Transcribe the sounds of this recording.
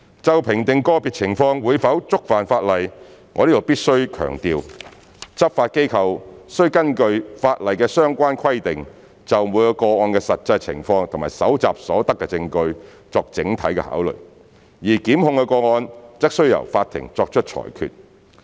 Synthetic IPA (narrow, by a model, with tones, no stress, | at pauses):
t͡sɐ˨˧wpʰɪ˨˩ŋt̪ɪ˨ŋkɔː˧pi˨t̚t͡sʰɪ˨˩ŋfɔː˧ŋwuː˨˧jfɐ˨˥wt͡sʊ˥k̚faː˨˩nfaː˧t̚lɐ˨˩jŋɔː˨˧liː˥t̪o˨˩wpiː˥t̚sɵ˥ɥkʰœ̰ː˨˩ŋt̪iː˧w | t͡sɐ˥p̚faː˧t̚ke˥jkʰɐ˧wsɵ˥ɥkɐ˥nkɵ˧ɥfaː˧t̚lɐ˨jkɛː˧sœː˥ŋkʷaː˥nkʰwɐ˥jt̪ɪ˨ŋ | t͡sɐ˨wmuː˨˧˥jɔ˧wkɔː˧ŋɔː˧nkɛ˧sɐ˨t̚t͡sɐ˧jt͡sʰɪ̰˨˩ŋfɔː˧ŋt̪ʰʊ˨˩ŋmaː˨˩jsɐ˨˥wt͡sa̰ː˨p̚sɔː˨˥t̪ɐ˥kːɛ˧t͡sɪ˧ŋkɵ˧ɥ | t͡sɔː˧k̚t͡sɪ˨˥ŋt̪ʰɐ˨˥jkɛ̰˧ha̰ː˨˥wlɵ̰˨ɥ | jiː˨˩kiː˨˥mhʊ˧ŋkɛ˧kɔː˧ŋɔː˧nt͡sɪ˥k̚sɵ˥ɥjɐ̰˨˩wfaː˧t̪ʰɪ̰˨˩ŋt͡sɔː˧k̚t͡ʃʰt̚t͡ʃʰɔ̰ː˨˩jkʰy̰ː˨˧t̚